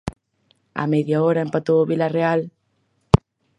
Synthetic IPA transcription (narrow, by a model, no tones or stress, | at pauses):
a̰meðjaoɾaempat̪oβilareal